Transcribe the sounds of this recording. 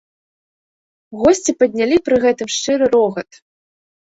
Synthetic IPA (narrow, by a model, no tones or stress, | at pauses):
ɣɔsʲt͡sʲipɐd̪ʲnʲalʲipɾɨɣɛt̪ɨmʂt͡ʂɨɾɨɾɔɣɐt̪